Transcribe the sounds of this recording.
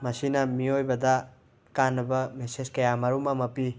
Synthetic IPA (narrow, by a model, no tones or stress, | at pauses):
mɐsinɐmiojbɐdɐ | kanːɐbɐmeseskɐjamɐɾumɐmɐpi